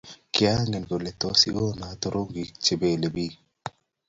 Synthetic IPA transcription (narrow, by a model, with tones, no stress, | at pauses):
kɪ˦a˦ŋe˨nɡo˨le˨t̪osi˦ɡo˦na˨t̪o˨ɾo˦ŋɡi˨t͡ʃe˨be˨le˨bi˦